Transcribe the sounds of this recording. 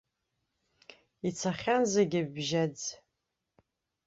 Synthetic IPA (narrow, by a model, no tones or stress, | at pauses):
it͡sʰaχʲanzaɡʲɪbʒad͡z